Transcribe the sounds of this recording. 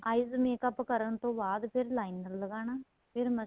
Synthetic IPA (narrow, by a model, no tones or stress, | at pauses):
ɐjzmeːkɐpːkɐɾəɳt̪õːbaːd̪pʰɪɾlaːɪnəɾlɡaːnaː | pʰɪɾmɐ